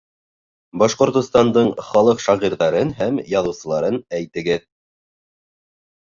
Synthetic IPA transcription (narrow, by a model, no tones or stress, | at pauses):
bɑʃqŏɾt̪ŏst̪ɑnd̪ɤɴχɑlˠɤqʃɑʁiɾðɑɾɤnɦæmjɑðɤ̆wsɤ̆lˠɑɾɤnæjt̪ɘ̆ɡɘð